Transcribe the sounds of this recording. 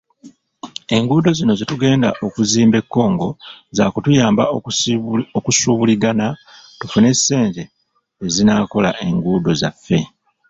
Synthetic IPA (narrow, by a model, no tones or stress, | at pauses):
e̞ŋɡuːdo̞zino̞zituɡe̞ːnda̰ʔo̞kuziːmbe̞kːo̞ːŋɡo̞zaːkutujaːmba | okusuːβuliɡana | tufune̞sːe̞ːɲɟe̞ː | zinaːko̞laʔe̞ŋɡuːdo̞zafːe̞